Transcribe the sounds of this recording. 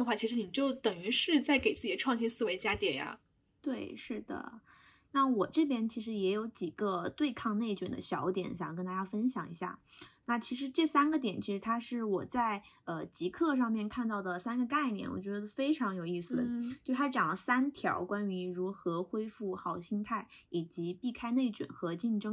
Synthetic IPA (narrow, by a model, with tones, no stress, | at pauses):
ə˧xwa˥˩t͡ɕʰi˧˥ʂɻ̩˧˥ni˨˩t͡ɕjo˥˩ʊt̪ə˨˩ŋy˧˥ʂɻ̩˥˧t͡sa˥˩ɪke˨˩ɪt͡sɹ̩˥˩i˨˩ə˦ʈ͡ʂʰwɑ˥˧ŋɕʰi˥nsɹ̩˥˩we˧˥ɪt͡ɕja˥t̪jɛ˨˩nja̰˧ | t̪we˥˩ɪʂɻ̩˥˩d̪ə̰˩ | na˥˩wɔ˨˩ʈ͡ʂɤ˥˩pjɛ˥nt͡ɕʰi˧˥ʂɻ̩˧˥jɛ˧˥jo˧˥ʊt͡ɕi˨˩ɡ̥ə˦t̪we˥˧ɪkʰɑ˥˧ŋne˥˩ɪt͡ɕɛ˨˩nd̪ə̰˦ɕjɑ˧˥ʊt̪jɛ̰˨˩˦nɕjɑ˨˩˨kə˥nt̪a˥ja˥˩fə˥nɕjɑ̰˨˩˦ŋḭ˧˥ɕja̰˥˩na˥˩t͡ɕʰi˧˥ʂ̬ɻ̩˧˥ʈ͡ʂɤ˥˩sa˥nɡə˨t̪jɛ˨˩nt͡ɕʰi˧˥ʂɻ̩˧˥t̪ʰa˥ʂɻ̩˥˩wɔ˨˩t͡sa˥˩ɪə˧t͡ɕi˧˥kʰɤ˥˧ʂ̬ɑ˥˧ŋmjɛ˥˧nkʰa˥˧nt̪ɑ˥˩ʊd̪ə˩sa˥nɡə˧ka˥˩ɪnjɛ̰˨˩nwɔ̰˨˩t͡ɕɥɛ˧˥d̪ə˧˥fe˥ɪʈ͡ʂʰɑ˧˥ŋjo˨˩ʊi˥˩sɹ̩˨˩t͡ɕjo˥˧˩ʂʰa˥ʈ͡ʂjɑ˨˩ŋlə˦sa˥nt̪ʰjɑ̰˧˥ʊkwa˥ny˧˥ɻu˧˥xɤ˧˥xwe˥ɪfu˥˩xɑ˨˩ʊɕi˥nt̪ʰa˥˩ɪ | i˨˩t͡ɕi˧˥pi˥˩kʰa˥ɪne˥˩ɪt͡ɕɥḭ˨˩nxɤ˧˥t͡ɕi˥˩nʈ͡ʂɤ˥ŋ